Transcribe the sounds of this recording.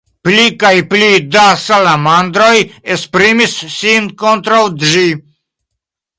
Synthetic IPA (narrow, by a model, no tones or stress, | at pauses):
plikajplid̪asalamand̪ɾojespɾimissinkont̪ɾawd̪ʒi